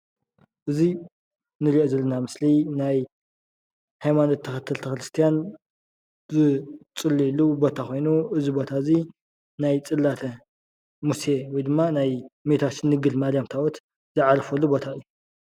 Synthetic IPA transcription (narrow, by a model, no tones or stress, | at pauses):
ʔɨzi | nɨɾiʔozɐlːɐnamɨslinaj | hajmanot̪ʰːɐxɐt̪ʰːɨlt̪ʰɐxɾɨst̪ʰijan | zɨt͡sʼɨlːijilːubo̞t̪ʰakʰo̞jnuʔɨzibo̞t̪ʰazi | najt͡sʼɨlːat̪ʰɐ | muse̞wɔjd̪ɨmːanajmet̪ʰasɨnɨɡɨlmalijamt̪ʰawot̪ | zɨʕaɾɐfɐlːubo̞t̪ʰaɨjːu